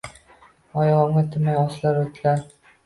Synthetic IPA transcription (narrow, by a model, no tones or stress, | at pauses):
ɒjʁɒmɡat̪ʰɪmajɒslaɾot̪ʰɪlaɾ